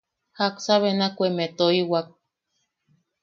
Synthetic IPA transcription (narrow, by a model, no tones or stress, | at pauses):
haksaβenakʷemet̪oiwak̚